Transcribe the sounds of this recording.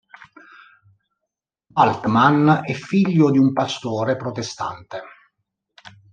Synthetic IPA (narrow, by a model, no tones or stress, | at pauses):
alt̪manɛfːiʎːʊd̪iumpast̪oːɾepɾot̪est̪a̰nt̪e